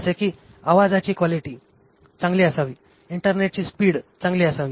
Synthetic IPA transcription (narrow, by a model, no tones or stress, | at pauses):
sekiː | aʋad͡zat͡ɕiːkʋaliʈiː | t͡sãŋɡliːəsaʋiː | iɳʈəɾneʈ̚t͡ɕiːspiːɽt͡sãŋɡliːəsaʋiː